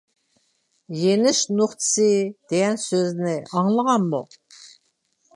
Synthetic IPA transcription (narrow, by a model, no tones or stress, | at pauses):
jenɪʃnuχt̪ʰɨ̥sɨd̪̥ejɛnsøznɪɑŋlˠəʁɑnmṵ